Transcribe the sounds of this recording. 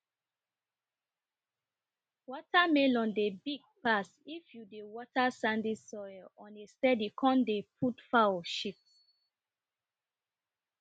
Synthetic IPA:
wɔtʰamelɔ̃ndebiɡ̚pasifjudewɔtasãndisɔjlɔ̃nestɛdikʰɔ̃ndepʰutfawʃips

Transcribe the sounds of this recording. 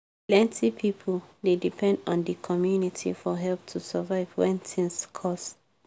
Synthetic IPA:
plɛ̃ntʰipʰipʰəldedipʰɛ̃ndɔ̃ndəkʰɔmjunitʰḭfɔɦɛlp̚tʰusavaɪvwɛ̃nθĩŋskʰɔst

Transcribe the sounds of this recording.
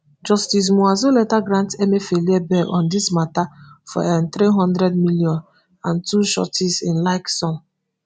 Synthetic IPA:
d͡ʒɔstis̬muazolɛtaɡɾãntɛmefeliɛbɛʔɔ̃ndismatafɔ̰ɛnθɾiɦɔ̃ndɾɛd̚miljɔ̃n | ãntuʃɔ̰tisĩnlaɪksɔ̃n

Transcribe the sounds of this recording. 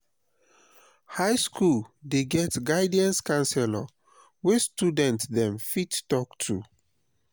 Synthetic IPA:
haɪskʰuldeɡɛtɡaɪdiãnskãnsɛla | westudɛ̃ntðɛ̃mfittɔktʰu

